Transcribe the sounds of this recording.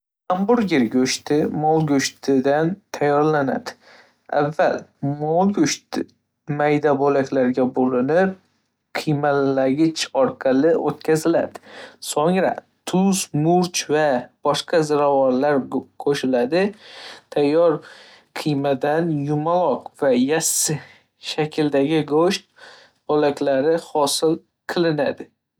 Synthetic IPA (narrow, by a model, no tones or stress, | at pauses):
ambʊɾɡʲɪɾɡʲɵʃt̪ɪmɒlˠɡʲɵʃt̪ʰɪd̪ant̪ʰajːɒɾlana̰d̪ɪ̥ | a̰vːalmɒlˠɡʲɵʃt̪ɪ | majd̪abolakʲʰlaɾɡʲabolɪnɪp̚ | qʰɨjmalaɡʲɪt͡ʃɒɾqʰɑlɪʔot̪̚kʲʰazɪla̰d̪ɪ̥soŋɾa̰ | t̪ʰʊzmʊɾt͡ʃvab̥ɒʃqʰɑzɪɾavɒnlaɾkʰoʃɪlad̪ɪt̪ʰajːɒɾ | qʰɨjmad̪anjʊmalˠɒqvajasːɪ | ʃakʲʰɪld̪aɡʲɪɡoʃt̪̚ | b̥olakʲlaɾɪhɒsɪlˠ | qʰɨlˠɪnad̪ɪ